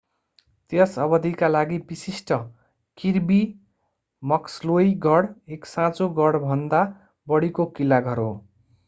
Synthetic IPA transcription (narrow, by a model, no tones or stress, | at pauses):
t̪jʌsʌbʌd̪ʱikalaɡibisisʈʌ | kirbi | mʌkslojɡʱʌɽeksãt͡soɡʌɽbʱʌnd̪a | bʌɽikokilːaɡʱʌɾo